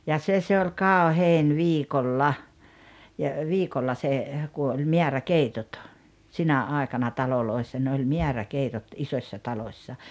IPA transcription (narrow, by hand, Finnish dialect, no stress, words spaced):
jɑ se se olʲ kɑˑoheˑin ʋiːkolːɑ jɑ ʋiːkolːɑ se ku olʲ me̞ærækeitot sinæ ɑˑekɑnɑ tɑloloisːɑ ne olʲ miærækeitot isosʲːɑ tɑlosːɑ